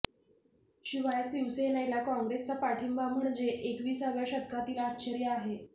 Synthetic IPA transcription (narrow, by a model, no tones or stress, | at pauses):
ɕiʋajsiʋsenajlakɔ̃ŋɡɾest͡sapaʈʰimbʱam̤əɳd͡zeʔekʋiːsaʋjaɕəd̪̚kʰat̪iːlaːtːt͡ɕʰəɾijəːɦe